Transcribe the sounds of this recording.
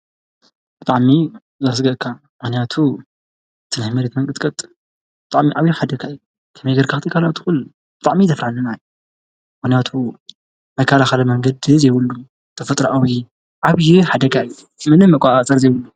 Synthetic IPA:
b̥ɨt̪ʼaʕmi | zas̬ɡɐʔkʰa | mɨxnijat̪ʰu | t̪ʰɨnħmɐɾet̪mɐŋkʼɨt̪ʼkʼɐt̪ʼ | bɨt̪ʼaʕmiʔaβjuħad̪ɐkʰaɨju | kʰɐmejɡɐɾkʰaxt̪ʰikʰalat̪ʰɨxul | b̥ɨ̥t̪ʼaʕmizɐfɾaħalːɐnaju | mɨxnijat̪ʰu | mɐkʰːalaxɐlɐmɐŋɡɐd̪zɐjwulːum | t̪ʰɐfɐt̪ʼɾʔawi | ʔaβjuħad̪ɐkʰaɨjːu | mɨnɨmɐkʷʼasʼɐɾzɐjwʊlːu

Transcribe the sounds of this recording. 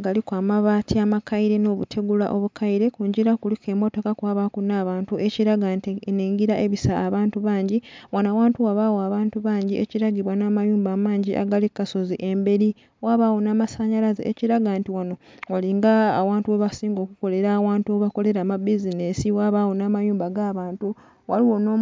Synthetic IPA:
ɡalikwamaβaːtʰiamakaiɾe̞no̞ːβutʰe̞ɡula̰ʔo̞βukʰaiɾe̞kuːɲɟiɾakulike̞ːmo̞to̞kakwaːβakunaːβaːntuʔe̞ciɾaɡantineːŋɡiɾaʔeβisaːβaːntuβaːɲɟiwanawaːntuwaβawoaβaːntuβaːɲɟieciɾaɡiβwanaːmajuːmbaːmaːɲɟiʔa̰ɡalikːasoziʔe̞mbe̞ɾi | waːβaːwonaːmasaɲalazḛḛciɾaɡantiwano̞waliŋɡaːwaːntuweβasiːŋɡo̞ːkuko̞le̞ɾawaːntuwoβako̞le̞ɾamabizinesiwaβawonaːmajuːmbaɡaːβaːntu | waliwo̞noː

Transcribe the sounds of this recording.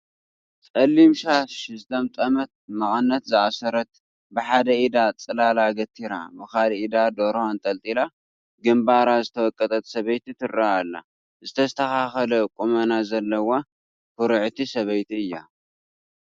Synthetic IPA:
t͡sʼɐlːimʃaʃɨzɨt̪ʰɐmt̪ʼɐmɐt̪̚mɐχʼɐnːɐt̪zɨʔasɐɾɐt̪̚ | bɨħad̪ɐʔid̪at͡sʼɨlalaɡɐt̪ʰːiɾa̰bɨxalid̪ad̪oɾhont̪ʼɐlt̪ʼila | ɡɨmbaɾazɨt̪ʰɐwɔkʼːɐt̪ʼɐt̪sɐβɐjt̪it̪ʰɨɾaalːa̰ | zɨt̪ʰɐst̪ʰɐxaxɐlɐkʼumɐnazɐlːɐwo | kuɾɨʕt̪ʰisɐβɐjt̪iɨjːa

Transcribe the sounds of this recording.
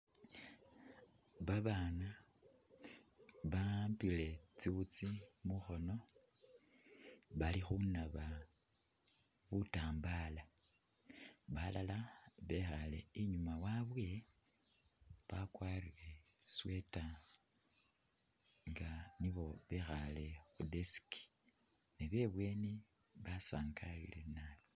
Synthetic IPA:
βaβaːna | βampile̞t͡siβut͡simuxo̞no̞ | βalixunaβa | βutaːmbala | βalalaβe̞xale̞ːɲumawaβwe̞ | βakwaːrire̞swe̞ta | ŋɡaniβo̞βe̞xale̞xudesi̥ki̥ | neβe̞βwe̞ni | βasaːŋkʰalḭle̞naji

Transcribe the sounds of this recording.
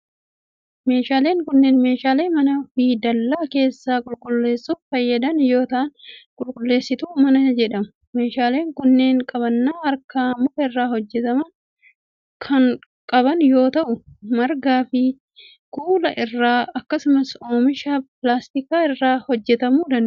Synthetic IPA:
me̞ːʃaːle̞ːŋkʊnːeːnme̞ːʃaːleːmɐnɐfiːd̪ɐlːaːke̞ːsːaːkʼʊlkʼʊlːe̞ːsːufɐjːɐd̪ɐnjo̞ːt̪aːnkʼʊlkʼʊlːe̞ːsːɪt̪uːmɐnɐd͡ʒɛᶑɐmʊ̥ | me̞ːʃaːle̞ːŋkʊnːe̞ːŋkʼɐβɐnːaːɐɾkaːmʊkɐɪrːaːhɔd͡ʒːɛt̪ɐmɐn | kʰɐn | kʼɐbɐnjo̞ːt̪ɐʔʊmɐɾɡaːfɪ | kuːlɐʔɪrːaːɐkːɐsʊmɐsoːmɪʃaːplaːst̪ɪkaːɪrːaːhɔd͡ʒːɛt̪ɐmuːd̪ɐn

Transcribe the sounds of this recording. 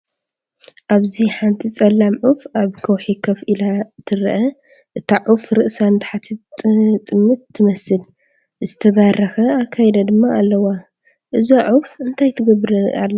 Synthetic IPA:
ʔaβziħant̪ʰit͡sʼɐlːamʕufaβkʰɐwħikʰɐfʔɨlat̪ʰɨɾʔɐ | ʔɨt̪ʰaʕufɾɨʔsant̪ʰḁħat̪ʰɐt̪ʼːɨmːɨt̪ʰːɨmɐsɨl | zɨt̪ʰɐβaɾɐxɐakʰːajɛd̪ɐd̪ɨmːaːlːɐwa | ʔɨzoʕufɨnt̪ʰajt̪ʰɨɡɐβɾɐa̰lːɐ

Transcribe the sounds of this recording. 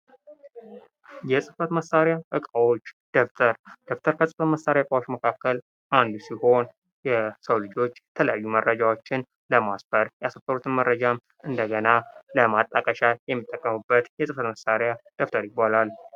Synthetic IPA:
jɛsʼɨfət̪məsːaɾjaʔɨkʼawot͡ʃːd̪̥oft̪ʰəɾd̪̥o̞ft̪ʰəɾkʰəsʼɨfət̪məsːaɾjaɨkʼawot͡ʃːməkʰakːəl | ʔand̪usiho̞n | jɛsəwlɨd͡ʒo̞t͡ʃːjɛt̪ʰələjajːumərːəd͡ʒawo̞t͡ʃːɪn | ləmasbəɾjɛasəfəɾut̪ʰɨnmərːəd͡ʒam | ʔɨnd̪əɡənaləmat̪ʼːəkʼəʃajɛmːit̪ʼːəkʼːəmɨbːət̪jɛsʼɨfət̪məsaɾjad̪̥oft̪ʰəɾjɪbːalal

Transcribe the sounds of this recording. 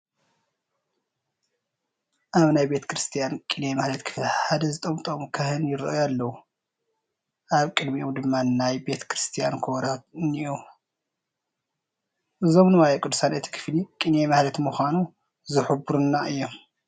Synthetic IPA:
ʔaβnajbe̞t̪ʰɐ̥kʰɾɨst̪ʰijankʼinjemalɐt̪kʰɨ̥fliħad̪ɐzɨt̪ʼɐmt̪ʼomkʰɐhɨnjɪɾɨ̰ʔjalːɐwu | ʔaβkʼɨd̪miʔomd̪ɨmːanajbe̞t̪ʰkʰɾɨst̪ʰijankʰoɾaniʔu | ʔɨzo̞mnɨwajɐkʼud̪ːu̥sanet̪ʰi̥kʰɨ̥flikʼinjemahlɐt̪muxʷanu | zɨħubuɾunːaɨjːom

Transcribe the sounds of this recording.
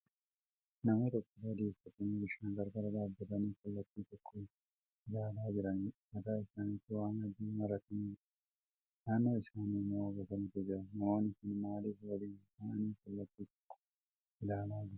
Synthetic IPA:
nɐmoːt̪ɔkːɔbad̪eːfɐt̪ɐniɪʃaːnɡɐɾɡɐɾɐd̪aːbːɐt̪ɐniːkɐlːɐt̪ːiːt̪ɔkʰːɔ | ɪlaːlaːd͡ʒɪɾɐnimɐt̪aːɪsaːnit̪ːɪwaːŋɐd͡ʒiːmɐɾɐt̪ɐn | naːnːo̞ːɪsaːnimoːɐɡɐt̪ɐnɪkɛd͡ʒɪɾɐnɐmoːnɪkɪnmaːliːfwɐliːtaːʔɐniːkɐlːɐt̪ːiːt̪ɔ̥kːɔ̥ | ɪlaːlaːd͡ʒɪɾɐ̥

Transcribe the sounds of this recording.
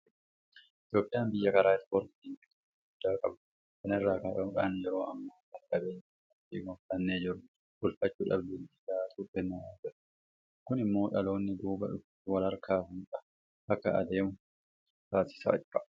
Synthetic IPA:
ʔɪt̪jo̞ːpʼɪjaːmbɪjːɐkɐɾaːɪsfoɾt̪iːŋkɪt̪ʼː | ɡʊd̪ːaːkʼɐ̰bɐ | kɐnɪrːaːkɐᶑɐᶑʼaːnjɛɾo̞ːʔɐmːɐ | ɐkʼɐbeːɲːɐ | ɐtḭːɡɐntɐnːeːd͡ʒɪɾʊ | bʊlfɐt͡ʃːuːᶑɐ̰bd̪ɪnɪlaːt̪ʰʼutːɛnːaaːd͡ʒɪɾ | kʊnɪmːo̞ːᶑɐlo̞ːnːɪd̪uːbɐᶑʊf | wɐlɐɾkʰaːhʊnkʼɐ | ɐkːɐ̰ɐ̰d̪e̞ːmʊ | t̪aːsɪ̥sa̰ːɐ

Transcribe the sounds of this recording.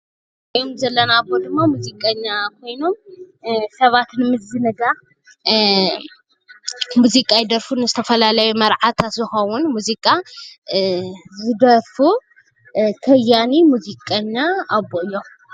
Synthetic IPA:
kɐjomzɐlːɐnabod̪ɨmːamuzikʼɐɲːakʰo̞jno̞m | sɐβat̪nɨmɨzɨnɨɡa | muzikʼajid̪ɐɾfunɨzɨt̪ʰɐfɐlalɐjumɐɾʕat̪ʰatzɨxɐwunmuzikʼa | zɨd̪ɐɾfu | kʰɐjːanimuzikʼɐɲːaːβoʔɨjːo̞

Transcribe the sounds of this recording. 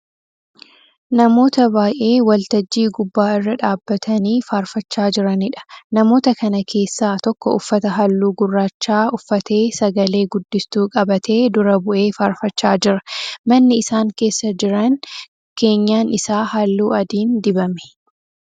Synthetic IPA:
nɐmo̞ːt̪ɐbaːjʔe̞ːwɐlt̪ɐd͡ʒːiːɡʊbːaːɪrːɐᶑaːbːɐt̪ʰɐniːfaːɾfɐt͡ʃːaːd͡ʒɪɾɐnɪᶑɐ̥nɐmo̞ːt̪ɐkɐnɐkʰe̞ːsːaːt̪ɔkːɔʊfːɐt̪ɐɦɐlːuːɡʊrːaːt͡ʃːaːʊfːɐt̪e̞ːsɐɡɐle̞ːɡʊd̪ːɪst̪uːkʼɐbɐt̪ʰe̞ːd̪ʊɾɐbʊʔe̞ːfaːɾfɐt͡ʃːaːd͡ʒɪɾɐ̥mɐnːɪɪsaːŋke̞ːsːɐd͡ʒɪɾɐn | ke̞ːɲːaːnɪsaːhɐlːuːɐd̪iːnd̪ɪbɐmɛ̥

